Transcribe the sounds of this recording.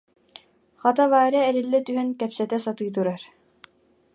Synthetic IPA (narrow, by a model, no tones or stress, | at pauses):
χɑt̪ɑvaːɾɛːɾilːɛt̪yɦɛnkɛpsɛt̪ɛsɑt̪ɯjt̪uɾɑɾ